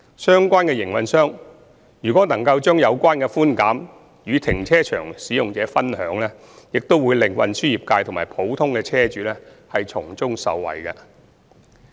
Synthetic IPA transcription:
sœː˥ŋkʷaː˥nkɛː˧jɪ˨˩ŋwɐ˨nsœː˥ŋ | jyː˨kʷɔː˨˥nɐ˨˩ŋkɐ˧wt͡ʃœː˥ŋjɐ˨˧wkʷaː˥nkɛ˧fuː˥nkaː˨˥m | jyː˨˧t̪ʰɪ˨˩ŋt͡sʰɛː˥t͡ʃʰœː˨˩ŋsiː˨˥jʊ˨ŋt͡sɛː˨˥fɐ˥nhœː˨˥ŋlɛː˥ | jɪ˨k̚t̪o˥wuː˨˧jlɪ˨˩ŋwɐ̰˨nsyː˥ji˨˩p̚kaː˧jt̪ʰmaː˨˩jpʰo˨˥wt̪ʰʊ˥ŋkɛː˧t͡sʰɛː˥t͡ʃyː˨˥lɛː˥hɐ˨jt͡sʰʊ˨˩ŋt͡sʊ˥ŋsɐ̰˨wːɐ̰˨˩jkɐ˧

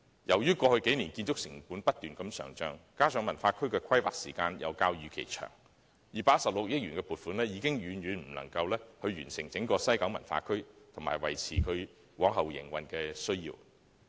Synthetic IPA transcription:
jɐ˨˩wjyː˥kɔː˧hɵ˧ɥke˨˥jni˨˩nkiː˧nt͡ʃʊ˥k̚sɪ˨˩ŋpuː˨˥npɐ˥t̚t̪yː˨nkɐ˧msœ̰ː˨˩ŋt͡ʃœː˨˧ŋkaː˥sʰœː˨˧ŋmɐ˨˩nfaː˧kʰɵ˥ɥkɛː˧kʰɐ˥jwaː˨k̚sḭː˨˩kaː˧njɐ̰˨˧wkaː˧wjyː˨˧kʰḛ˨˩jt͡ʃʰœ̰ː˨˩ŋ | jiː˨˩paː˧t̚sɐ˨p̚lʊ˨k̚jɪ˥k̚jyː˨˩nkɛː˧puː˨˩t̚fuː˨˥nlɛː˥jiː˨˧kɪ˥ŋjyː˨˥njyː˨˧nm̩˨˩lɐ̰˨˩ŋkɐ˧wlɛː˥hɵ˧ɥɥyː˨˩nsɪ˨˩ŋt͡sɪ˨˥ŋkɔː˧sɐ˥jkɐ˨˥wmɐ˨˩nfa̰ː˧kʰɵ˥ɥt̪ʰʊ˨˩ŋmaː˨jwɐ̰˨˩jt͡sʰiː˨˩kʰɵ˨˧ɥ | wɔː˨˥ŋɦɐ˨wjɪ̰˨˩ŋwɐ˨nkɛː˧sɵ˥ɥjḭː˧w

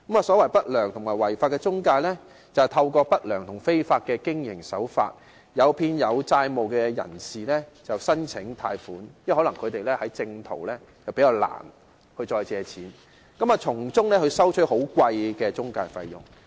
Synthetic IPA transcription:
kɐ˨˥maː˨sɔː˨˥wɐ˨˩jpɐ˥t̚lœː˨˩ŋt̪ʰʊ˨˩ŋmaː˨˩jwɐ˨˩jfaː˧t̚kɛ˧t͡sʊ˥ŋkaː˧nlɛː˥ | t͡sɐ˨˩t̪ʰɐ˧wkɔː˧pɐ˥t̚lœː˨˩ŋt̪ʰʊ˨˩ŋfe˥jfaː˧t̚kɛː˧kɪ˥ŋjɪ̰˨˩ŋsɐ˨˥wfa̰ː˧t̚ | jɐ˨˧wpʰiː˧njɐ˨˧wt͡saː˧jmo˨˩wkɛː˧jɐ̰˨˩nsiː˨lɛː˥t͡sɐ˨wsɐ˥nt͡sʰɪ˨˥ŋt̪ʰaː˧jfuː˨˥njhɔ˨˥lɐ˨˩ŋkʰɵ˨˧t̪e˨jlɛː˥hɐ˨˥jt͡sɪ˧ŋt̪ʰo̰˨˩wlɛː˥ | t͡sɐ˨wpe˨˥jaː˧wla̰ː˨˩n | hɵ˧ɥt͡sɔː˧jt͡sɛː˨˧t͡sʰiː˨˥n | kɐ˨˥maː˨t͡sʰʊ˨˩ŋt͡sʊ˥ŋlɛː˥hɵ˧ɥsɐ˥wt͡ʃʰɵ˥ho˨˥wkwɐ˧jkɛː˧t͡sʊ˥ŋkaː˧jfɐ̰˧jjʊ̰˨˩ŋ

